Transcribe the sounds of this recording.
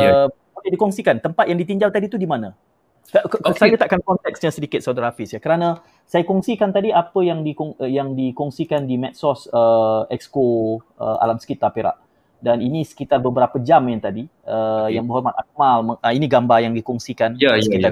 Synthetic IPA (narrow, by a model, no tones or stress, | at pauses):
ə | molɛhdikɔŋsikant̪əmpat̪̚jaŋdit̪iɲd͡ʒalt̪adit̪udimãna | ksajat̪aʔkankɔnt̪ɛksɲãsədikɪt̪̚sodɾafisjakəɾanã | sajakɔŋsikant̪adiapəjaŋdikɔŋjaŋdikɔŋsikandimɛt̪̚sɔsəɛksko | ə̰a̰lamsə̥kit̪arpeɾa̰ʔ | daninĩsə̥kit̪arbəbəɾapəd͡ʒamant̪adiəjaŋbəɦɔmana̰k̚malməəiniɡambajaŋdikɔŋsikanjəkia